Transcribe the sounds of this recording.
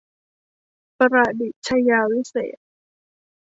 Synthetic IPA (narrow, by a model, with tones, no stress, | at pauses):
pa˧ɾa˨˧˩di˨˩t̚t͡ɕʰa˧jaː˧wi˦˥sḛː˨˩t̪̚